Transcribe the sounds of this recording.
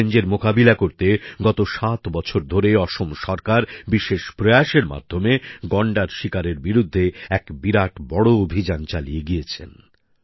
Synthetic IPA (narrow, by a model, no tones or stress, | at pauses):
end͡ʑeɾmokabilakoɾt̪eɡɔt̪oʃat̪bɔt͡ɕʰoɾd̪ʱoɾeɔʃomʃɔɾkaɾbiʃeʃpɾeaʃeɾma̰d̪ʱːomeɡɔɳɖaɾʃikaɾeɾbiɾud̪ʱːeɛkbiɾaʈbɔɽoobʱid͡ʑant͡ɕalijeɡijet͡ɕʰḛn